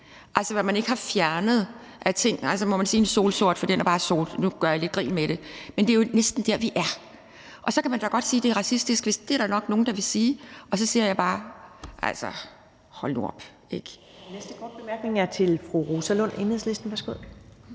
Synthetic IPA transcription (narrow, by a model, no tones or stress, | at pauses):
ʔælsəʋæmæne̝ɡ̥hɑ̈fjæɐnəð̞̩ˠ | ʔæt͡sʰe̝ŋ̰ælsəmɒ̽mænsiːenso̝̰ːlso̝ɐ̰d̥fɒ̽d̥enæɐb̥ɑ̈ːso̝̰ːd̥nuɡ̥ɶɐjɑ̈le̝d̚ɡ̥ʁḭːnmeɾ̥e̝mend̥ejo̝nesd̥n̩d̥æɐʋiʔæɐ | ʔɒ̽sɒ̽kʰæmænd̥ɑ̈ɡ̥ɒ̽d̥siːd̥e̝æʁɑ̈sisd̥isɡ̥ʋe̝sd̥e̝æɐɾ̥ænɒ̽ɡ̥no̝ːn̩d̥ɑ̈ʋe̝siːʔɒ̽sɒ̽seɐ̰jɑ̈b̥ɑ̈ːʔæ̰lsɒ | hɒ̽lnṵɒb̥ | eɡ̥ | nesd̥əɡ̥ɒd̥̚b̥emæɐɡ̥ne̝ŋæɐt͡sʰe̝lfʁuʁosælɔ̽n̰enhð̰ˠsle̝sd̥n̩ʋæɐsɡ̥oð̰ˠ